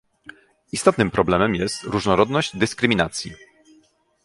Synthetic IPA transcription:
ist̪ɔt̪nɘmpɾɔblɛmɛmjɛst̪ɾuʐnɔɾɔd̪nɔʑd̪ɘskɾɘmʲinat̪sʲjḭ

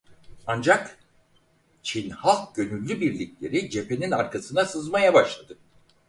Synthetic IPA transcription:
and͡ʒak | t͡ʃʰinhalˠɟø̞nylʲːybiɾlʲiclʲe̞̰ɾid͡ʒe̞pʰe̞ninaɾkʰasɯnasɯzmajabaʃlˠad̪ɯ

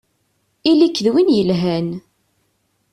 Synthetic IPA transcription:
ilikːðwinjəlɦæn

